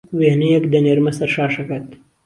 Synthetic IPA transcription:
ʋeɦnijɐkd̪ɐnɐɾmɐsɐɾʂaːʂɐkɐt̪

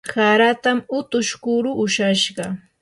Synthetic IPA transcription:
saɾat̪amʊt̪ʊʃkʊɾʊʔʊʃaʃɢɑ

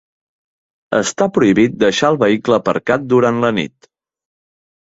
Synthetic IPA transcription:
ə̰st̪apɾuiβit̪̚d̪əʃaəlˠβəikləpə̰ɾkat̪̚d̪uɾant̪lənḭt̪

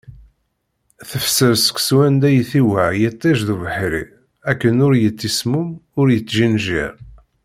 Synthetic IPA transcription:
θəfsəɾsə̥kʷswænd̪æjθiwæʕjət̪ˤːæʒðuvəħɾḭ | ækːənʊɾjət͡sːismumʊɾjət͡sːʒinʒḭɾ

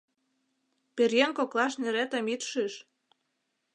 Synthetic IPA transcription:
perjenkoklɑʃneɾet̪ə̆mit̪ʃiʃ

